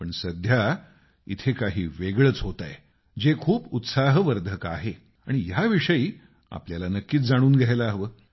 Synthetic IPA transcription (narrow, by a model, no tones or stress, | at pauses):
pəɳsəd̪ʱja | ḭt̪ʰekaɦiːʋeɡɭət͡sɦot̪a̰j | d͡ʑekʰuːput̪saɦʋəɾd̪ʱəka̰ɦe | a̰ɽ̃ijaʋiʂəiː | a̰pljalanəkːiːt̪̚d͡zaɽ̃uːnɡʱajlaɦʋəː